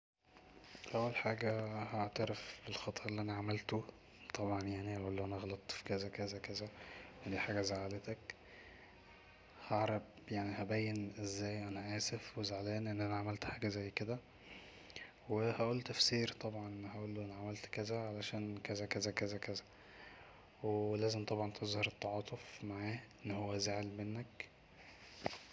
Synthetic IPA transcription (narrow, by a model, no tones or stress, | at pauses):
ʔæwːælħaːɡæhaʕt̪æɾefbelxɑt̪ˤːʔʔelːiʔænæʕamælt̪o | t̪ˤɑbʕɑnjaʕnihæʔuːlːoʔænæɣɑlɑt̪ˤfi̥kæzækæzækæzæwed̪iːħaːɡæzaʕalet̪æk | hɑʕɾˤɑb | jaʕnihæbæjːenʔezːæːjʔænæʔæːsefwezaʕlæːnʔenːʔænæʕamælt̪ħaːɡæzæjːked̪æ | wehæʔuːlːt̪æfsiːɾt̪ˤɑbʕɑnʔehæʔuːlːuʔenæʕamælt̪kæzæʕalæʃæːnkæzækæzækæzækæzæ̥ | welæːzemt̪ˤɑbʕɑnt̪ʰezhɑɾˤet̪ːɑʕɑːt̪ˤofmaʕaːʔenːhowːæzeʕelmenːæk